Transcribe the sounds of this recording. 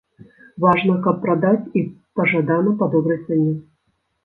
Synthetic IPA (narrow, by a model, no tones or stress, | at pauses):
vaʐnɐkɐpːɾad̪at͡sʲipɐʐad̪anɐpɐd̪ɔbɾɐjt̪sɛnʲɛ